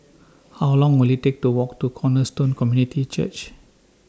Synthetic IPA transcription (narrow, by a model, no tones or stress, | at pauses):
hawlɔ̃ŋwilhitek̚tuwɔk̚tukʰɔnəstõnkɔmjunitʰit͡ʃə̰t͡ʃ